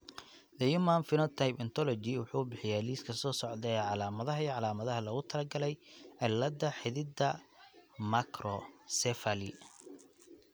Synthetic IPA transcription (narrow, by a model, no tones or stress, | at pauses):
d̪ɐjumanfɪnɔt̪ʰajpɐnt̪ʰɔlɔd͡ʒɪwʊħuːbɪħɪjɛliːskʰɐsɔːsɔʕðɛɛʕɑlaːmɐðɐɦɐiʕɑlaːmɐðɐɦɐlɔɣʊt̪ʰɐlɐɡɐlɛjʕɪlːɐd̪ɐħɪðɪd̪ɐ | makʰɾɔsɛfalɪ